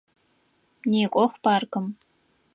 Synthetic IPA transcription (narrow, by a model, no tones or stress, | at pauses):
neːkʷʼɔxʷpaːrkʰɨm